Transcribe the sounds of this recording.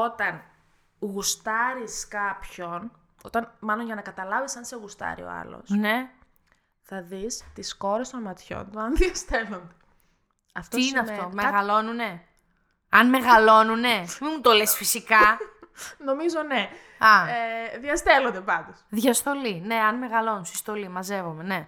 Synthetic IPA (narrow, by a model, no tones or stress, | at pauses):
o̞t̪ɐn | ɣust̪ɐɾiskɐpço̞n | o̞t̪ɐnmɐlo̞nʝɐnɐkɐt̪ɐlɐvesɐnseɣust̪ɐ̰ɾḭo̰ɐ̰lo̞̰sne̞ | θɐðist̪isko̞ɾest̪onmɐt̪ço̞̰nt̪uɐnðiɐst̪elond̪e | ɐft̪oiineɐt̪omeɣɐlo̞nune̞ | ɐnme̞ɣɐlo̞nune̞mimut̪o̞lesfisikɐ | no̞mizo̞ne | ɐeðiɐst̪elo̞nd̪epɐnd̪osðʝɐst̪o̞line̞ɐnme̞ɣɐlo̞nunsist̪o̞limɐze̞vome̞ne̞